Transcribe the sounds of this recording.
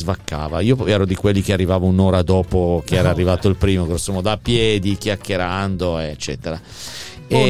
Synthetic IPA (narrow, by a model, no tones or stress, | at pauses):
vakːa̰ːvaiːopɛːɾod̪ikwelːikearːivaːvaunoːɾad̪ɔːpokeɛːɾaːrːivaːt̪oilpɾiːmoɡɾɔsːomɔd̪apjɛːd̪ikjakːeɾand̪oet͡ʃːɛ̰ːt̪eɾa | e